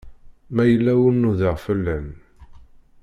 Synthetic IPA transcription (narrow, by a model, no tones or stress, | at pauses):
mæjəlːæwʊnːuðəʁfəlːæn